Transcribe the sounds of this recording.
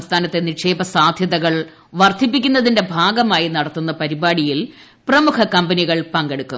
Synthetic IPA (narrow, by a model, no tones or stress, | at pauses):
st̪ʰaːnɐt̪ːe̞niʂe̞ːbɐsaːd̪ʱjɐðɐɣɐɭ | ʋɐrd̪ʰʱip̬ːikʲːunːɐðinde̞bʱaːɡɐmaːjinɐɽɐt̪ːunːɐpɐɾibaːɽijil | prɐmukʰɐkɐmbɐniɣɐɭpɐŋɡeɽukːu